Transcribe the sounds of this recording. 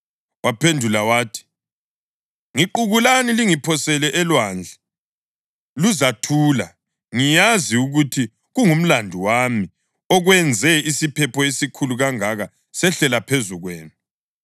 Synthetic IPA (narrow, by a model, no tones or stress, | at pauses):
wapʰendʱulawaːtʰi̥ | ŋiǃuɣulaniliŋipʰɔsɛlɛʔɛlwaːnd͡ɮʱɛ | luzatʰuːla | ŋijaziuɣutʰi | ɣuŋum̩landʱuwami | ɔɣwɛnd͡zʱɛisipʰɛpʰɔisikʰuluɣaŋaɣa | sɛɬɛlapʰezuɣwɛ̰ːnu